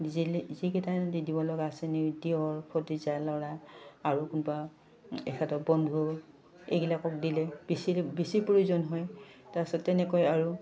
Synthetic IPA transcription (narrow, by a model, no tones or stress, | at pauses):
zizikɛtadidibɔlɔɡaːsɛnidiɔɹpʰɔtizalɔɹaːɹukunba | ɛ̰kʰatɔbɔndʱu | ḛjɡilakɔk̚dilɛb̥isibisipuɹizɔnɦɔjtasɔtːɛnɛkɔjaɹu